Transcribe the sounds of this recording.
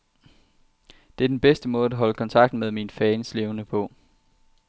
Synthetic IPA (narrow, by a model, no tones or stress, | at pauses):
d̥e̝æɐdenb̥esd̥əmɔ̽ːð̩ˠæɦɒ̽ləkʰɒ̽nt͡sʰɑ̈ɡ̥d̥n̩með̞ˠminfɛːnsle̝ʊnəpʰɔ̽